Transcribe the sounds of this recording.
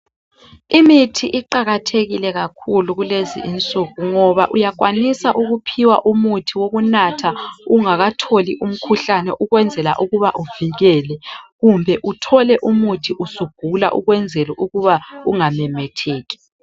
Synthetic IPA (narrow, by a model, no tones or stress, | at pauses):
imitʰiʔiǃaɣatʰeɣilɛɣakʰuluɣulezḭʔint͡sʼuɣuŋɔβaʔujaɣwanisaʔuɣupʰiwa̰ʔumutʰiwoɣunatʰauŋaɣatʰoliʔum̩kʰuɬanɛʔuɣwɛnd͡zʱɛla̰ʔuɣuβaʔuviɣɛːlɛɣumbʱɛʔutʰɔlɛʔumutʰiʔusuɡ̥ʱula̰ʔṵɣwɛnd͡zʱɛlɛʔuɣuβauŋamɛmɛtʰeːɣi̥